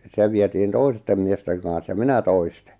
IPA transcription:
se ʋietiːn toistem miesteŋ kɑ̃ːs jɑ minæ toiste̥

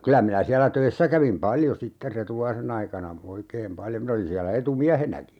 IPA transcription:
kylæ minæ siælæ tøisːæ kæʋim pɑljo sitːer retulɑisen ɑikɑnɑ oikeːm pɑljo min olin siælæ etumiæhenæki

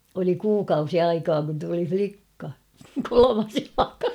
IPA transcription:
oli kuːkɑusi ɑikɑː kun tuli flikːɑ kolomɑs jɑlɑkɑ

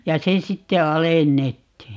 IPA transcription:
jɑ se sitːe ɑlenːetːiːj

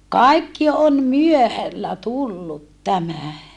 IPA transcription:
kɑikːi om myøhælːæ tulːut tæmæ

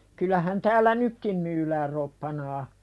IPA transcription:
kylˑæhæn tæːlːæ nykːim myːlæːr ropːɑnɑː

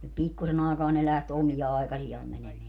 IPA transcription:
pikːusen ɑekɑː ne læht omijɑ ɑekɑsijɑːm mænemeæ

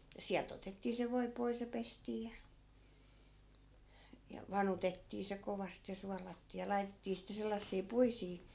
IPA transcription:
jɑ siælt otetːiː se ʋoi pois jɑ pestiː jɑ jɑ ʋɑnutetːiː se koʋɑst jɑ suɑlɑtːiː jɑ lɑi̯tetːiː sitːe selːɑsːiː puisiː

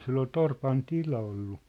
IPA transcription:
sil ol torpɑn tilɑ olːu

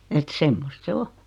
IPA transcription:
et semːost se o

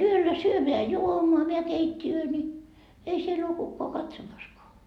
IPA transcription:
yølːæ syømeæ juomoɑ meæ keitʲːiøː nʲi ei siel oː kukːoɑ kɑtsomɑskoɑ

